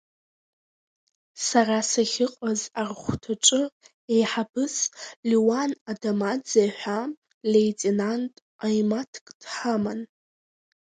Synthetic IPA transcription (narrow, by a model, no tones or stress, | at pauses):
sarasaχʲɪqʼazarχʷtʰaʈ͡ʂʷʼɨ | ejħabɨsliwanadamad͡zajħʷa | lejtʼenantʼ | ajmatʰkʼdħaman